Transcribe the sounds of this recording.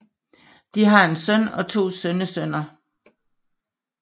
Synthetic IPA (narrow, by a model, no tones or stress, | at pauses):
d̥iɦɑ̈e̝nsœn̰ɒ̽t͡sʰo̝̰ːsønəsønɐ